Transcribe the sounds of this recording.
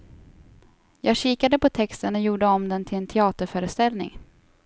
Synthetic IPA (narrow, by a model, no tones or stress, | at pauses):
jɑːɡɕiːkad̪əpʰɔt̪ʰɛkst̪ənɔjuːɖəɔmd̪ɛnt̪ʰɪlɛnt̪ʰɛɑːt̪əɾfœːɾəst̪ɛlnɪ̰ŋ